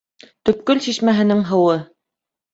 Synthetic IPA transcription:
t̪ɵ̆p̚kɵlsiʃmæɦɘ̆nɘŋɦɤ̆wɤ

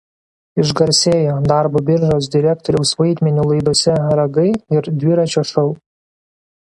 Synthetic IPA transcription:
ɪʒɡɐɾʲsʲeːjoːd̪ɑˑɾboːbʲɪɾʲʒoːsd̪ʲɪɾʲæːk̚t̪ɔɾʲɛʊsʋɐɪd̪ʲmʲɛnʲuːlˠɐɪd̪oɔsʲɛɾɐɡɐɪɪɾd̪ʲʋʲɪɾɐt͡ʃʲoːʃɐʊ

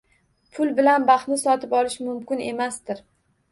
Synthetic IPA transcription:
pʰʊlˠbɪlanbaχt̪nɪsɒt̪ʰɪpɒlɪʃmʊmkʲɪne̞mast̪ɪɾ

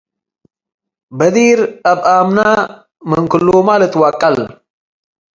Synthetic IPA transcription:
bəd̪iːɾɐbʔaːmna | məŋkɨlːomaːlət̪waːkʼːɐl

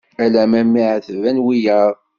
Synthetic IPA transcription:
ælæmæmːiʕθəvænwijəɾˤ

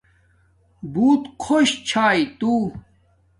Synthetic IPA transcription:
buːt̪kʰoɕt͡ɕʰaːit̪u

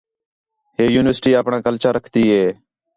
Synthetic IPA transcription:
ɦeːjuːnɪʋəɾsʈiːaːpɳãːkəlt͡ʃaːɾəkʰt̪iːɦeː

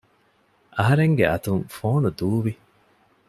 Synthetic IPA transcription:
ʔɐɦɐɾeŋɡeʔɐt̪uŋfoːnud̪uːʋi

